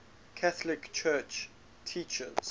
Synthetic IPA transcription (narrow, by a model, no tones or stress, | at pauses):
kʰaθəlɪkt͡ʃʰɜːˑt͡ʃ | tʰit͡ʃə̰z̥